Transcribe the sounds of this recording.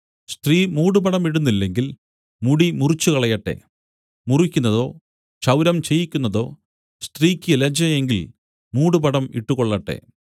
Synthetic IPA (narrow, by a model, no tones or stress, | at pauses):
st̪riːmuːɽupɐɽɐmiɽunːilːeŋɡil | muɽimurit͡ɕːukɐɭɐjɐʈːḛ | murikʲːunːɐðo̞̰ː | t͡ɕɐwɾɐmt͡ɕe̞jikʲːunːɐðo̞ː | st̪riːkʲːɨlɐd͡ʑɐjeŋɡil | muːɽupɐɽɐmḭʈːukoɭːɐʈːe̞̰